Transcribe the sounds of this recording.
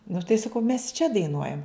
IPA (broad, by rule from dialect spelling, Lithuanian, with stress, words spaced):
nʊ tɐɪ sɐˈkɐʊ mʲɛs t͡ʃʲɛ dɐɪˈnuɔjɛm